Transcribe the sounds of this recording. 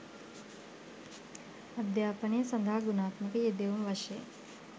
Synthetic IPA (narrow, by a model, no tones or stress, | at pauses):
ɐd̪jaːpəɳijsɐnd̪ʱaɦɡunaːt̪məkəjed̪eumʋɐʃe